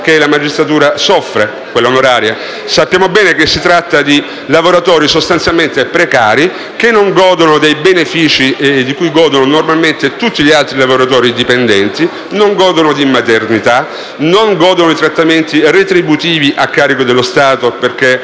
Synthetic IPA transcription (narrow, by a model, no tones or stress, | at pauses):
k̟elamad͡ʒist̪ɾat̪uːɾasɔfːɾe | kwelːonoɾaːɾja | sapːjaːmobɛːnekesːit̪ɾat̪ːad̪i | lavoɾat̪ɔːɾisost̪ant̪sjalment̪epɾekaːɾi | kenːoŋɡɔːd̪onod̪ejbenefiːt͡ʃid̪ikujɡɔːd̪ononormalment̪et̪ut̪ːiʎialt̪ɾilavoɾat̪ɔːɾid̪ipend̪ɛnt̪i | noŋɡɔːd̪onod̪imat̪ernit̪a | noŋɡɔːd̪onoit̪ɾat̪ːament̪iret̪ɾibut̪iːviʔakːaːɾikod̪elːost̪aːt̪operk̟e